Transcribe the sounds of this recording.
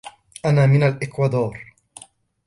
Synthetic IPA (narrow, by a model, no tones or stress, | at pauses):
ʔanaːmɪnalʔɪkwɑd̪ɑːɾˤ